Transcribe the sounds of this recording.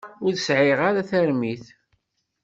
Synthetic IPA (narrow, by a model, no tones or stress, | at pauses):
ʊɾθsʕɪʁaɾaθæɾmiθ